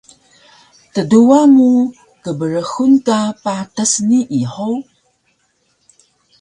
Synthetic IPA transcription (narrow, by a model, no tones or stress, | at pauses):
təduaŋu | kəbəɾəxunkapatəsniʔiħow